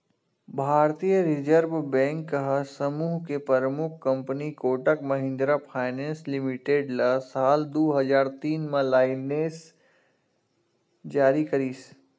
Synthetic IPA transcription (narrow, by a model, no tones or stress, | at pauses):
bʱaːɾt̪ijəɾɪd͡ʒəɾbbɛ̃ːŋkːəɦəsəmuːɦkepəɾmʊkʰkɐ̃mpnikoːʈəkmɐɦɪ̃nd̪ɾapʰaːɪnẽːnslɪmɪʈeːɖlasaːld̪oːɦɐd͡ʒaːɾt̪iːnmẽlaːɪneːs | d͡ʒaːɾikɐɾiːs